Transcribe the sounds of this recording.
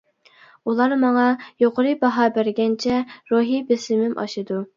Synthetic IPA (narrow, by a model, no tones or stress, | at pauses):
ulˠɑɾmɑŋɑjoqʰəɾɨbɑɦɑːbæɾɡʲɛnt͡ʃʰɛɾuɦibesɪmɪmʔɑ̰ʃɨd̪u